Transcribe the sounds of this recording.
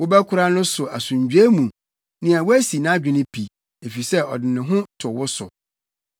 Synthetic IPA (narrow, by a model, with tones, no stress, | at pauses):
wʊ˦bɛ˦kʰʊ˦ɾa˦nʊ̃˦sʊ˨a˨sʊ̃˨ɲ˨d͡ʑᶣe˦mũ˨ | nɪ̃˨a˨wʊ˦æ˦si˨nã˦a˦d͡ʑᶣɪ˨nɪ̃˦pʰi˨ | e˨fi˨sɛ˦ɔ̰˨dɪ˨nɪ̃˨ɦʊ̃˦tʰʊ˨wʊ˦sʊ̰˨